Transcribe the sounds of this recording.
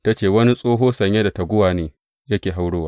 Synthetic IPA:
ta˦t͡ʃeː˨wɐ˦ni˦sʼoː˦ɦoː˦sɐ˨ɲje˦da˨ta˨ɡʷʊ˦waː˨neː˨ | jɐ˦kʲeː˨ɦa˦wɽoː˦waː˦

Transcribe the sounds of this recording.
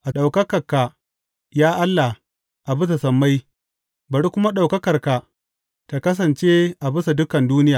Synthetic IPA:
ʔa˨ɗa˨wkɐ˦kɐ˨rka˨ | jaː˦ʔa˦lːa˨h | ʔa˨bʊ˦sa˨sɐ˨mːa˦j | bɐ˨ɽkʷʊ˦ma˦ɗa˨wkɐ˦kɐ˨rka˨ | ta˨kɐ˦s̬ɐ˨nt͡ʃe˦ʔa˨bʊ˦sa˨dʊ˦kɐ˨nduː˦nɪ˦jaː˨

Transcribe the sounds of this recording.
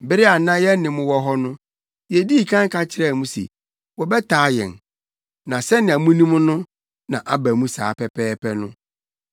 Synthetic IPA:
bɪ˦ɾɪ˦a˨nã˦jɛ˦nɪ̃˨mʊ̃˨˦wɔ˦ɦɔ˦nʊ̃˦ | jɛ˨di˦˨kʰã˦ŋ˦kʰa˦t͡ɕʰɪ˦ɾɛ˦˨mũ˦sḛ˨ | wɔ˨bɛ˦tʰaː˨˦jɛ̰̃˨n | nã˨sɛ˦nɪ̃˨a˨mũ˦nĩ˦mʊ̃˦nʊ̃˦ | nã˨ʔa˨bæ˨mũ˦sa̰ː˨˦pʰɛ˦pʰɛː˦pʰɛ˦nʊ̃˦

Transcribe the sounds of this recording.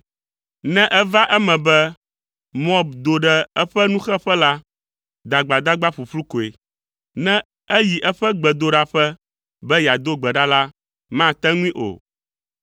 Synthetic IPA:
nɛ̃˦ʔɛ˦va˦ʔɛ˦mɛ̃˨bɛ˦ | mɔ̃˦bd̪o˨ɖɛ˦ɛ˦ɸɛ˦nũ˦xɛ˦ɸɛ˦la˦ | d̪a˨ɡ͡ba˨d̪a˦ɡ͡ba˦ɸu˨ɸlu˦ko˨e˨ | nɛ̃˦ | ɛ˦ji˨ʔɛ˦ɸɛ˦ɡ͡bɛ˨d̪o˨ɖa˦ɸɛ˦ | bɛ˦ja˨d̪o˦ɡ͡bɛ˨ɖa˦la˦ | mã˦˨t̪ɛ˦ŋũ˦ĩ˦ʔo̰˨

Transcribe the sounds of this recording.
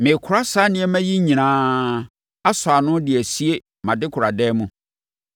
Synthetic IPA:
mɪ̃˨kʰʊ˨ɾa˦sa˨˦nɪ̃˨˦ɛ˦mæ̃˦ji˦ɲĩ˨nãː˦ | a˦sʊ˨a˨nʊ̃˦dɪ˨æ˨si˦e˦ | mã˨dɪ˦kʰʊ˨ɾa˨dɛː˦mũ˦

